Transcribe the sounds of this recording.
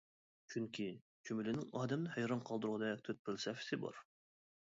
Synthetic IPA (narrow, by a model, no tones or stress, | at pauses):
t͡ʃʰyŋkʲʰi | t͡ʃʰymylɪnɪŋɑːd̪ɛmnɪhæjɾɑnqʰɑlˠd̪ɨɾʁɑd̪ɛɛk̚ʲt̪ʰøt̪̚pʰɪlsɛfɪ̥sɪbɑ̰ɾ